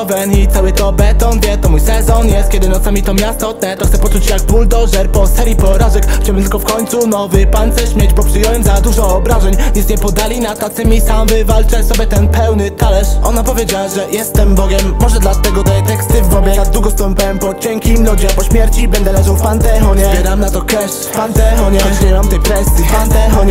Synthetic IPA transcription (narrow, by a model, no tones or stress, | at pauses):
ɔvɛnit̪awɘt̪ɔbɛt̪ɔnvʲjɛt̪ɔmujsɛzɔnjɛst̪̚kʲɛd̪ɘnɔt̪samʲit̪ɔmʲjast̪ɔt̪nɛt̪ɔxt̪sɛpɔt͡ʂut͡ɕjaɡ̚buld̪ɔʐɛɾpɔsɛɾjipɔɾaʐɛkxt͡ɕawɘnt̪ɘlkɔfkɔɲt̪sunɔvɘpant̪sɛɕmʲjɛd͡ʑbɔpʂɘjɛwɛmzad̪uʐɔːbɾaʐɛɲɲɛsɲɛpɔd̪alʲinat̪ːat̪sɘmʲisamvɘvalt͡ʂɛsɔbʲjɛt̪ɛnpɛwnɘt̪alɛʂɔnapɔvʲjed͡ʑawaʐɛjɛst̪ɛmbɔɡʲɛmːɔʐɛd̪lat̪ɛɡɔt̪ɛt̪ɛkst̪ɘvɔbʲjɛnad̪ːwuɡɔst̪ɔmpʲawɛmpɔt͡ɕɛŋkʲilud͡ʑiapɔɕmʲjɛɾt͡ɕibɛnd̪ɛlɛʐawfpant̪ɛɦɔɲɛɛd̪amnat̪ɔkɛʂ | pant̪ɛɦɔɲɛɛɲɛmamt̪ɛjkɾɛst̪jipant̪ɛɔɲ